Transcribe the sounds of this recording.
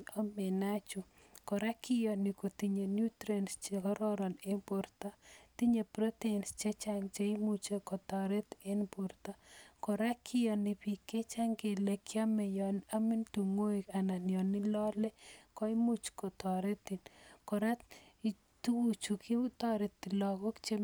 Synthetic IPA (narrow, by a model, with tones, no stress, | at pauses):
ɔ˦mɛ˨na˦t͡ʃu˨ | kɔ˨ɾa˦kɪ˦jɔ˨nɪ˨ko˨ti˨ɲe˨nju˦tɾe˨nst͡ʃekɔ˦ɾɔ˦ɾɔ˨ne˦bo˨rta˦t̪i˦ɲe˨pɾɔ˦tɛ˨nst͡ʃe˦t͡ʃaŋt͡ʃe˦i˦mu˦t͡ʃe˦kɔ˨tɔ˨ɾe˦t̪e˦nbu˨ɾta˦kɔ˨ɾa˦kʰɪ˦jɔ˨nɪ˨pi˨kːe˦t͡ʃa˦ŋɡe˨lekja˦mɛ˨jɔ˨na˦mɪ˦ntu˨ŋo˦i˨ka˨na˨njɔ˨nɪ˦lɔlɛ˦kɔ˦imu˦t͡ʃkɔ˨tɔɾe˦t̪i˨nkɔɾa˦ | tu˦wu˦t͡ʃu˨kʰɪ˦tɔɾe˨tːɪ˨lɔ˨kɔ˦kt͡ʃe˦